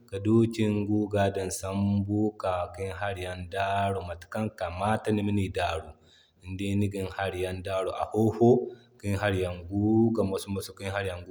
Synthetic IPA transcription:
ka˨doː˦ki˦ŋɡuː˦ɡaː˦dɐ˨nsa˦mbuː˦ka˨ki˦nɦa˦ɾja˦ndaː˦ɽo˨ma˨ti̥˨ka˦ŋka˨maː˦ta˦ni˦mi˦ni˨daː˦ɽu˨ | i˨nde˦ni˦ɡi˨nha˦ɾja˦ndaː˦ɽo˨ʔa̰˨ho˦ho˦ki˦nɦa˦ɾja˨ŋɡu˦ɡa˨ma˨˦su˦ma˨so˦ki˦nɦa˦ɾja˨ŋɡu˦

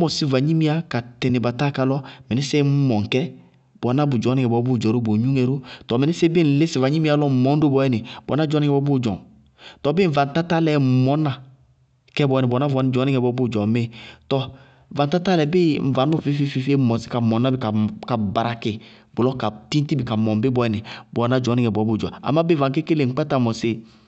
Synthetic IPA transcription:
mɔ˨sɪ˦va˨ɲi˦mi˦a˦ka˨tɪ˨nɪ˨ba˨ta˦ka˧lɔ˦mɛ˨nɪ˦sɛ˦m˦mɔ˨ŋ˨kɛ˦ | bɔ˨˦na˦bʊ˨d͡ʒɔ˨˦nɪ˦ŋɛ˨bɔ˨˦bʊ˦˨d͡ʒɔ˨ɾo˦bo˨ɲu˦ŋɛ˨ɾʊ˦tɔ˨mɛ˨nɪ˦se˦bɪ˦˨n̩˨lɪ˦sɪ˨va˨ɲi˦mi˦a˦lɔ˦˨mɔ˨˦n˦do˦bɔ˨ɛ˦nɪ˨bɔ̰˨˦na˦d͡ʒɔ˨˦n˦ŋɛ˨bɔ˦bʊ˦˨d͡ʒɔ̰˨ŋ | tɔ˨bɪ˦ɱ̩˨va˨n̩˨ta˦ta˦lɛ˨mɔ˦na˨ | kɛ˦˨bɔ˨˧ɛ˨nɛ˨bɔ˨na˦vɔ˨˦n˨d͡ʒɔ˨˦ni˦ŋɛ˨bɔ˨˦bu˦˨d͡ʒɔ˨me˦tɔ˧˨ | va˨n˨ta˦ta˦lɛ˨bɪ˦m̩˨va˨nu˦˨fi˦fi˦fi˧fe˦˨mɔ˨si̥˦ka˨mɔ˨na˦bi˨ka˨ka˨ba˨ɾa˨kɪ˨ | bʊ˨lɔ˦ka˨ti˦ti˦bi˨ka˨mɔ˨m˨bɪ˦bɔ˨ɛ˨nɛ˨bɔ˨na˦d͡ʒɔ˨˦ni˦ŋɛ˨bɔ˨˦bu˦˨d͡ʒɔ̰˨a̰˨ma˦bva˨ke˦ke˦le˨ŋ̩˦k͡pa˦ta˨mɔ˨sɪ˨

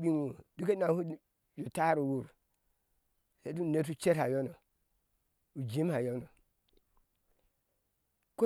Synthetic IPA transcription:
i˦ŋu˨du˦ke˦na˨hu˦ | jo˨ta˦ɾu˨wu˦˨ɾ | se˦tu˦˨ne˦t̬u˦t͡ʃe˦ɾha˨jo˦no˨ | u˨d͡ʒi˦mha˨jo˦no˨ | ko˦

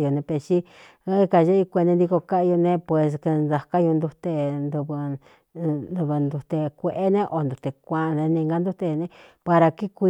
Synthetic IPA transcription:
jo˧nẽ˧pe˧t͡ʃi˦ | ka˧ʒe˦i˧kʷe˧nẽ˧d̪i˧ko˧ka˦˧jo˧nẽ˦pwe˨˧s̬ke˧nd̪a˧ka˦ju˧nd̪u˧t̪e˧nd̪u˧β | d̪u˧βɨ˧nd̪u˧t̪e˧kʷe˧ʔe˦nẽ˦ʔo˧nd̪u˨t̪e˧kʷã˧nẽ˧nĩ˧ŋɡa˦nd̪u˦t̪e˧nẽ˦pa˧ɾa˧ki˦kʷi˧

